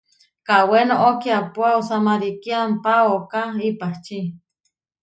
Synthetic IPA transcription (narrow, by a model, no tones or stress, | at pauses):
kawenoʔokiapoausamaɾikiampaokaipaht͡ʃi